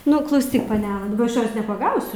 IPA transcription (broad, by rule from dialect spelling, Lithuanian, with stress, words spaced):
ˈnʊ klˠɐʊˈsʲiːk pɐˈnʲæːlˠɐ ˈɐʃ ˈjoːs nʲɛpɐˈɡɐʊsʲʊ